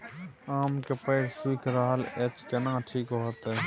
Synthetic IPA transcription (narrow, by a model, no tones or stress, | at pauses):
aːmkepəːɽsiːkɾaːɦəlet͡ʃkenãːʈʰiːkoot̪e